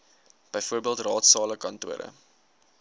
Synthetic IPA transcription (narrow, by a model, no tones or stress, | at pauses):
b̥əjfuərbiəlˠtrɑːtsɑːləkɐntuəɾə̰